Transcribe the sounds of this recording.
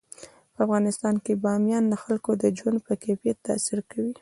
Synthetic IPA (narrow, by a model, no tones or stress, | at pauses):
pəafɣɑnɪst̪ɑnkebɑmjɑnləxalkod̪əd͡ʒwand̪pəkefjat̪ːɑ̰siɾkawi